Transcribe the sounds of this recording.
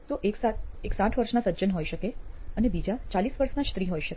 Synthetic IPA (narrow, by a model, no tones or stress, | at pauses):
t̪oʔeksaeksãʈʰʋəɾʃnasəːd͡ʒənɦojʃəkeənebid͡ʒat͡ʃalisʋəɾʃnast̪ɾiɦojʃək